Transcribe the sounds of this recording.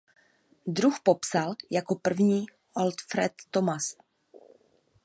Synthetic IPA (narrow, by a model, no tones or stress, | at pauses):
d̪ɾuxpo̞psaljako̞pr̩vɲiː | ʔolt̪fɾɛt̪ːomas